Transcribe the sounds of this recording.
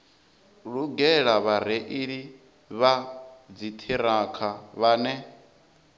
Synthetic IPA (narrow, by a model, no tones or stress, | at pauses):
ɺuɡɛɺaβaɾɛʔiɺi | βad͡zit̪ʰiɾakʰaβaːnɛ